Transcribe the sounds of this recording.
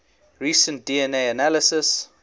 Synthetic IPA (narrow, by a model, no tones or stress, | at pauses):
ɹiːsə̃nt̚d̥iɛneɪənaləsəs